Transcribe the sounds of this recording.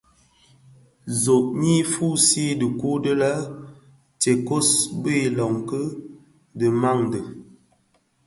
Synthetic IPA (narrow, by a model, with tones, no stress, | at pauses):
zo˨ʔ̚ɲi˦fu˦˨si˦də˨ku˦də˦lə˦ | te˨ko˦sbə˦˨lɔ˨ŋkə˦ | də˨ma˦˨ŋdə˨